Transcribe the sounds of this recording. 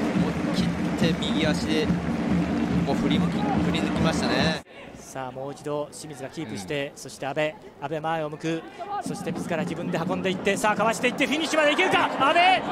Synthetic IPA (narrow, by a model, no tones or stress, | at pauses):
moːkʲitʰːe̞mʲiɡʲiaɕid̪e | moːɸɯ̟ɾʲimɯkʲiɸɯɾʲinɯkʲimaɕi̥t̪ane | saːmo̞ːit͡ɕid̪o̞ɕimʲizɨɡakʲiːpɯ̟ɕi̥t̪e̞so̞ɕi̥t̪e̞abe̞ | abe̞maeo̞mɯ̟kɯ̟ | so̞ɕi̥t̪e̞mʲizɨkaɾad͡ʑibɯ̟̃nd̪e̞hakõ̞nd̪e̞it̪ːe̞saːkaβaɕi̥t̪e̞it̪ːe̞ɸinʲːiɕimad̪e̞ikeɾɯkaabe̞